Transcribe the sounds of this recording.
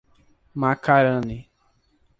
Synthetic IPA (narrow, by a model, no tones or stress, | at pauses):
makaɾə̃ni